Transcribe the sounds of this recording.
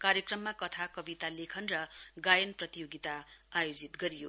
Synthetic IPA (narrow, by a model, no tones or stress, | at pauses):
kaɾjʌkrʌmːakʌt̪ʰakʌbit̪alekʰʌnrʌɡajʌnprʌt̪ijoɡit̪aajod͡zit̪ɡʌɾijo̰